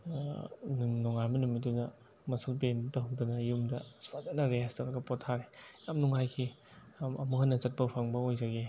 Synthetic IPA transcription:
nunɔŋaɾmɐnumit̚dunɐ | mɐsɐlpentaɦŋdunɐjumdɐspadanɐɾestɐwɾɐɡɐpɔtʰːaɾejamnuŋajkʰi | ɐmuɦɐnːɐt͡ʃɐt̚pɐpʰaŋbɐojzaɡi

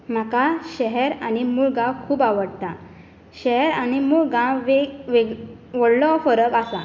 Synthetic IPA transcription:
m̤akaɕɛɦɛɾañimuːɭɡãwkʰuːbaʋəɽt̪a | ɕɛɦɛɾañimuːɭɡãwʋeʋeɡ | ʋɔɽlɔfəɾəkasa

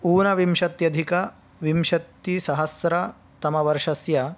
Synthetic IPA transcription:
uːnɐʋimʃɐt̪jɐd̪ʱikɐ | ʋimʃɐt̪ːisɐɦɐsɾɐ | t̪ɐmɐʋɐɾʂɐsjɐ

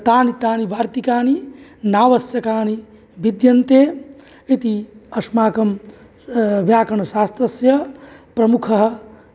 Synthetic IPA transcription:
t̪aːnit̪aːnibaːɾt̪ikaːninaːʋɐsjɐkaːni | bid̪jɐnt̪eː | it̪iɐsmaːkɐm | ʋjaːkɐɳɐsaːst̪ɾɐsjɐpɾɐmukʰɐɦɐ̆

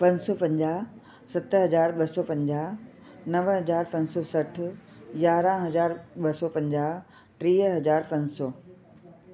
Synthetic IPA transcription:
pɐ̃ɲsɔːpɐ̃ɲd͡ʑaːɦ | sɐt̪ɦɐzaːɾɓɐsɔːpɐ̃ɲd͡ʑaːɦ | nɐʋɦɐzaːɾpɐ̃ɲsɔsɐʈ̆ʰ | jaːɾãɦɐzaːɾɓɐsɔːpɐ̃ɲd͡ʑaːɦ | ʈɾiːɦɐzaːɾpɐ̃nsɔː

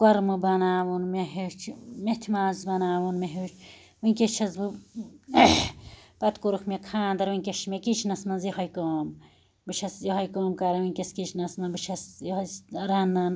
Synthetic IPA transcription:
kɐɾmɨbɐnaːwunmeɦet͡ʃʰmet̪ʲʰimaːzbɐnaːʋunmeɦet͡ʃʰ | wɨnʲkʲet͡ʃʰɐzbɨ | pɐt̪kuɾukʰmʲekʰaːnd̪ɐɾwɨnʲkʲeʃmʲekit͡ʃʰnɐsmɐnzjiɦɐjkoːm | bɨt͡ʃʰɐsjiɦɐjkoːmkɐɾɐwɨnʲkʲeskit͡ʃʰnɐsmɐnbɨt͡ʃʰɐsjɐsɾɐnːɐn

